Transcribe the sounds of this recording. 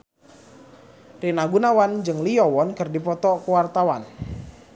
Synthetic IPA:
rinaɡunawand͡ʒɨŋliɔwɔnkɨrdipɔt̪ɔkuwart̪awan

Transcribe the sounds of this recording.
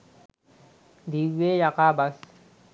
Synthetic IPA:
d̪iwejakaːbas

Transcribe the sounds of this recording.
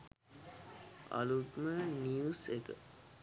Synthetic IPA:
a̰lut̪məniusekə̰

